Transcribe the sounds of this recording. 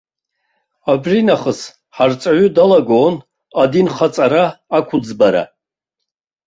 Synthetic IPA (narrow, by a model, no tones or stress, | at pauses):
abrinaχəs | ħart͡sʼaʕʷʊdalaɡon | adinχat͡sʼaɾaːkʷʰʊd͡zbaɾa̰